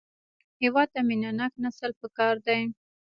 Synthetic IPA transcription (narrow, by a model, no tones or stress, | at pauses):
hɪwɑd̪̚t̪aminanaknasəlpəkɑɾd̪aj